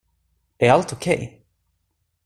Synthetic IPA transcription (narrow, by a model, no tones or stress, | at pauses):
d̪̥ɛæɾalt̪ʊkʰɛj